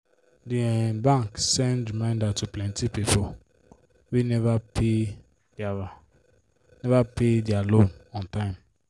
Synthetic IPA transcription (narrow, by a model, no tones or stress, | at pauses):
diɛbãŋksɛ̃ndɹimãɪ̃ndatuplɛ̃ntipipo | winɛvapʰe | nɛvapedialõnɔ̃ntãɪ̃m